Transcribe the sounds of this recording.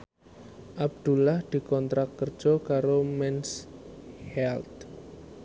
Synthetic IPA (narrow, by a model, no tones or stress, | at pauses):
ʔab̚d̪̥ṳlahd̪̥i̤kɔnt̪ɾakːərd̥ʒ̥ɔkaɾomɛns | hɛlt̪